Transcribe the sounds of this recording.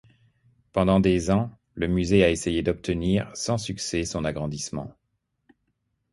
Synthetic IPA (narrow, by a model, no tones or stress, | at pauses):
pɑ̃d̪ɑ̃d̪ezɑ̃ | ləmyzeaesejed̪ɔp̚t̪əniʁsɑ̃syksɛsɔ̃naɡʁɑ̃d̪ismɑ̰̃